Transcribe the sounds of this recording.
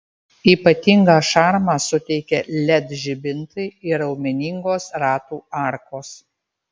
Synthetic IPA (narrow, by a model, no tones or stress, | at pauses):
iːpɐt̪ʲɪŋɡɑːʃɑˑɾmɑːsʊt̪ʲɛɪkʲɛlʲɛd̪ʒʲɪbʲɪnt̪ɐɪɪɾɐʊmʲɛnʲɪŋɡoːsɾɑːt̪uːɑˑɾkoːs